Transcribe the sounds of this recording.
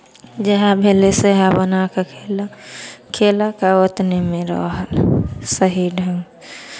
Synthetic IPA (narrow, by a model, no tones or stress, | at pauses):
d͡ʒeɦabʱeleseɦabənakakʰel | kʰeːlakaot̪nemẽɾɔ̰ɦəlsəɦiɖʱə̃ŋɡ